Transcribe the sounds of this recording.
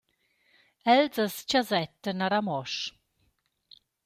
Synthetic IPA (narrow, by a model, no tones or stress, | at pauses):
ɛlzəst͡ɕazɛtənaɾamɔʃ